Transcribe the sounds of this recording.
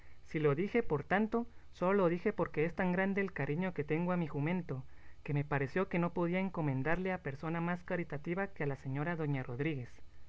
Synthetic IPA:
silo̞ðixe̞po̞ɾt̪ant̪o̞so̞lolo̞ðixe̞po̞ɾke̞est̪aŋɡɾand̪e̞ːlkaɾʔiɲo̞ke̞t̪e̞ŋɡoamixumẽ̞nt̪o̞ke̞me̞paɾe̞sjo̞ke̞no̞poð̞iaeŋko̞mẽ̞nd̪aɾle̞ape̞ɾso̞namaskaɾit̪at̪iβakealase̞ɲo̞ɾaðo̞ɲaro̞ðɾiɣe̞s

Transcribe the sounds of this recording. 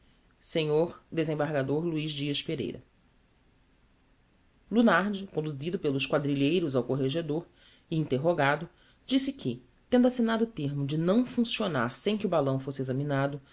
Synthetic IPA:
sẽɲoɾd̪ezẽbaɾɡad̪oɾluiʒd͡ʒiɐʃpeɾḛjɾɐ̰ | lunaɾd͡ʒɪkõnd̪uzid̪ʊpelʊʃkwad̪ɾiʎejɾʊzawkoɦeʒed̪oɾ | iĩnt̪eɦoɡad̪ʊ | d͡ʒisɪkʰɪ | t̪ẽnd̪ʊasinad̪ʊːt̪eɾmʊd͡ʒɪnɐ̃w̃fũsiona̰ɾsẽj̃kɪʊbalɐ̃w̃fosɪezɐminad̪ʊ

